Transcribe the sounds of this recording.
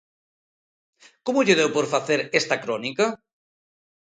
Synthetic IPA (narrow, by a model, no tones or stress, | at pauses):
komʊʎeðewpoɾfaθeɾest̪ɐkɾɔnikɐ